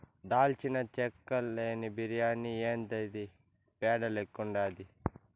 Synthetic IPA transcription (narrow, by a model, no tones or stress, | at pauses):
d̪aːlt͡ʃinɐt͡ʃɛkːɐlːeːnibiɾijaːnːieːnd̪ɐjd̪i | pɛːɖɐlekːuɳɖaːd̪i